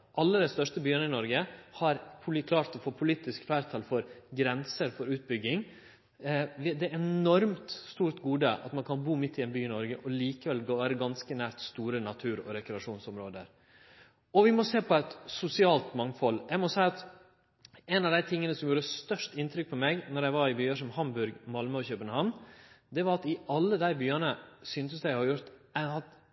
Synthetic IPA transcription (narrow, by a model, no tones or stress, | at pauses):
ʔɑlːəd̪æɪst̪œʂʈəbyːənəɪnɔɾɡəhɑɾpʰʊlkʰlɑːɾt̪ɔfoːpʰʊliːt̪ɪskflæːɾt̪ʰɑlfɔɾɡɾɛnsəɾfɔɾʉːt̪̚bʏɡːɪŋ | ʋɪd̪ɛɛnɔɾmt̪st̪uːɾt̪ɡuːd̪əʔɑ̰t̪mɑnkʰɑnbuːmɪt̪ʰːɪɛnbyːɪnɔɾɡəʔɔliːkəʋɛlɡoːɾəɡɑnskənæːɾt̪st̪uːɾənɑt̪ʰʉːɾɔ̰ɾɛkɾɛɑʂuːnsɔmɾoːd̪əɾ | ɔʋɪmɔseːpʰɔæt̪sʊsɪɑːlt̪mɑŋfɔljæɪmɔsæɪɑt̪ | ɛnɑʋd̪æɪt̪ʰɪŋːənəsɔmjuːɾəst̪œʂʈɪnt̪ʰɾʏk̚pʰɔmɛɡnɔɾjæɪʋɑɾɪbyːɑʂɔmhɑmbʉɾɡmɑlməçøːpənhɑnd̪ɛʋɑɾɑt̪ɪʔɑlːəd̪æɪbyːɑnəsyːnt̪əsd̪æɪhɑɾjʊɾt̪æɑt̪